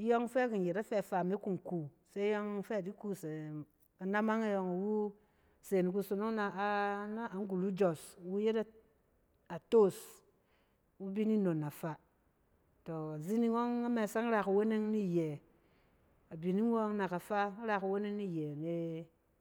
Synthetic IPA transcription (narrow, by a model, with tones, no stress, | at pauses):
jo˦ŋ˦fe˦ki˨n˨je˨ta˦fe˦˨fa˨me˦ku˦ŋ˨ku˨ | se˦jo˦ŋ˦fe˦a˨di˦ku˦se˨ | a˨na˦ma˦ŋa˦jo˧ŋa˨wu˦ | se˨ni˨k̬u˧so˨no˦ŋna˨˦na˦a˨ŋ˦ɡu˨lu˦d͡ʒo˨swu˦je˦ta˦ | a˨to˦˨s | wu˦bi˦ni˦no˨na˨fa˨ | to˨a˨zi˦ni˦wo˦ŋa˦me˨sa˦ŋ˦ɾa˨ka˨we˦ne˦ŋni˦˨je˨ | a˨bi˨ni˦wo˦ŋ˦na˨ka˨fa˦ɾa˨ka˨we˦ne˦ŋni˦˨je˨ne˦